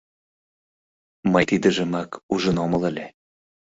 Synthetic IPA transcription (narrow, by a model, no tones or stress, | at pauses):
məjt̪id̪əʒəmɑkuʒənomələlʲe